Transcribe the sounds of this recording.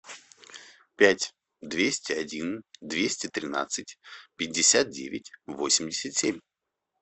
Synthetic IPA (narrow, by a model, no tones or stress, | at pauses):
pʲætʲ | d̪vʲesʲtʲɪɐdʲind̪vʲesʲtʲɪt̪ɾʲɪna̰t̪sɨtʲpʲɪdʲːɪsʲat̪̚dʲḛvʲɪtʲvo̞sʲɪmʲdʲɪsʲət̪sʲemʲ